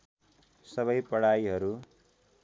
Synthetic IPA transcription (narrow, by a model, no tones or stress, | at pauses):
sʌβʌjpʌɽajiɦʌɾu